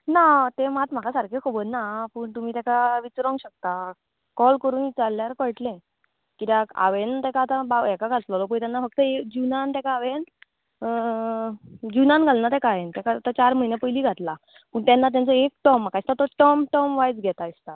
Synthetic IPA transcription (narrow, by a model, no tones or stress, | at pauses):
nat̪emat̪m̤akasaɾkʰekʰobəɾnapəːɳt̪um̤iːt̪ɛkaʋit͡sɾɔ̃ŋɡɕək̚t̪a | kɔlkəɾuːnit͡salːjaɾkəɭʈlẽ | kit̪jaa̰ʋent̪ɛkaːt̪ãbaɛkaɡʱat̪lalɔpəɳt̪janːafəɡ̚t̪əekd͡ʑunant̪ɛkaːʋen | d͡ʑunanɡʱalnat̪ekaent̪jakaat̪at͡ɕaɾm̤əinjapəjliːɡʱat̪la | pəːɳt̪janːat̪jãnt͡sɔek̚ʈɔmːakaist̪at̪ɔʈɔmʈɔmʋajd͡zɡʱɛt̪aist̪a